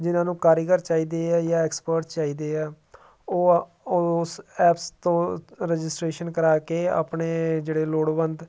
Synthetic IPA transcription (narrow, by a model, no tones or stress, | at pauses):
d͡ʒɪnãːnũːkaːɾjəɡəɾt͡ʃaːiːd̪eːaːjãːɛːkspəɾʈt͡ʃaːiːd̪eːɛː | oː | ʊsɛːpst̪õːɾɛd͡ʒɪsʈɾeːʃənkəɾaːkeːa̰ːpɳeːd͡ʒeːɽeːloːɽbənd̪